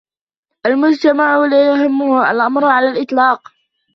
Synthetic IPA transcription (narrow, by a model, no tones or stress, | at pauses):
ʔalmʊd͡ʒt̪amaʕʊlajʊɦɪmːʊhʔa̰lʔamɾʕalaːlʔɪt̪ˤlɑːq